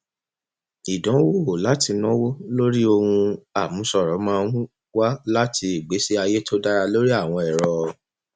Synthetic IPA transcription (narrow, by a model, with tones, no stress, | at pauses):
i˨dɔ̃˨˦wo˦˨la˨˦ti˧nɔ̃˦wo˦lo˦ɾi˦o˧hũ˧a˨mũ˨˦sɔ˦˨ɾɔ˨˦mã˦ɾũ˦ | wa˦la˦tʰi˧i˨ɡ͡be˨˦si˦a˧je˦tʰo˦da˦ɾa˧lo˦ɾi˦a˦˨w̃ɔ̃˧ɛ˨ɾɔ˧